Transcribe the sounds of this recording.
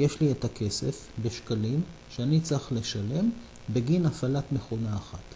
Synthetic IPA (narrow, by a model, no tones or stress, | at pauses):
jeʃlietakʰe̞sefbe̞ʃkalim | ʃeanit͡saχle̞ʃale̞m | beɡinafalatmeχonaːχat